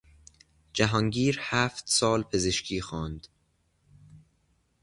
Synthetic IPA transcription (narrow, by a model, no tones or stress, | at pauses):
d͡ʒæɦɒːŋɟiːɾhæːft̪sɒːlpʰe̞zeʃcʰiːxɒːnd̪̥